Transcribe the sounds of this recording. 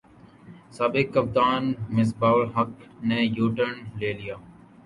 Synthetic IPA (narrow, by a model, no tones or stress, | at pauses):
saːbɪkːəp̚t̪aːnmɪsbaːʋlɦəknẽːjuːʈəɳleːlɪjaː